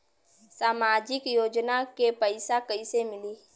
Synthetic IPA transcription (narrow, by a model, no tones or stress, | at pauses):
saːmaːd͡ʒɪkjoːd͡ʒnakepəɪsakəisemɪliː